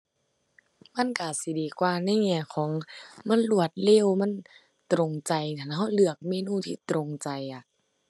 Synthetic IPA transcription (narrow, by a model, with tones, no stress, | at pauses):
ma˧˥˨nka˧˩si˧˦diː˨˦kwaː˧˩na˧˥˨jŋɛː˧˩kʰɔː˩˦ŋma˧˥˨nlu˧˩ət̪̚leː˧˥˨wma˧˥˨n | t̪ɾo˨˧˨ŋt͡ɕa˨jt̪ʰaː˧˩nɦa˧˥˨wlɯ˧˩ɐək̚meː˧˥˨nuː˧˥˨t̪ʰḭː˧˩t̪ɾo˧ŋt͡ɕa˨ja˨˩